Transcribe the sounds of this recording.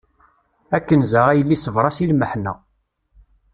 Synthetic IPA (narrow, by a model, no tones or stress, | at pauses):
ækːənzaʁæjəlːisəvɾˤɑsilməħnæ̰